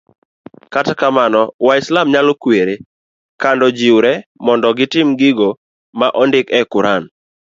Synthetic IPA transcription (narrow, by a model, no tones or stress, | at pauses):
katakamanɔwaɪslamɲalokweɾe | kandɔd͡ʒiwɾɛmɔndɔɡɪtɪmɡɪɡo | maʔɔndɪkɛkʊɾan